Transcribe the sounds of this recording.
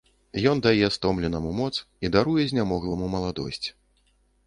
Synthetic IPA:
jɔnd̪ajɛst̪ɔmlʲɛnɐmumɔt̪s | id̪aɾujɛzʲnʲamɔɣlˠɐmumɐlˠad̪ɔ̰sʲt͡sʲ

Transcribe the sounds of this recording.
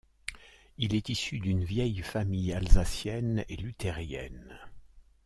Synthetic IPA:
ilɛt̪isyd̪ynvjɛjfamijalzasjɛnḛlyt̪ʰeʁjɛ̰n

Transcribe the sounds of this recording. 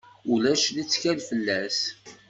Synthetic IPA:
ulæʃlit͡sːçælfəlːæs

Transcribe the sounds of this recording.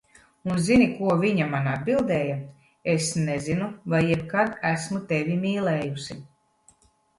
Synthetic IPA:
unzinikuɔvʲiɲamanad̪̚bilˠd̪ɛːja | esnezinuvajːɛbkad̪æsmut̪evʲimiːlˠɛːjusi

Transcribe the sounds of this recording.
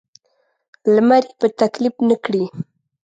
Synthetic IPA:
lmaɾipat̪aklɪpnɪkɽi

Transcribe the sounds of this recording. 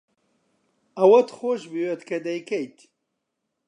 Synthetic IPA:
ɐwɐt̪xoʃbiwet̪kɐd̪ɐjkejt̪

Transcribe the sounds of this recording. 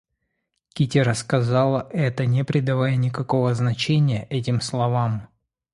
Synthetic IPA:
kʲitʲɪɾəskɐzalˠəʔɛt̪ənʲɪpɾʲɪd̪ɐvajənʲɪkɐko̞vəznɐt͡ɕenʲɪjəʔɛtʲɪmslˠɐvam

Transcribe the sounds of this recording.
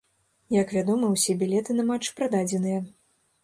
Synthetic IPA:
jɐkvʲad̪ɔmɨwsʲɛbʲilʲɛt̪ɨnɐmat͡ʂːpɾad̪ad͡zʲɛnɨjɐ

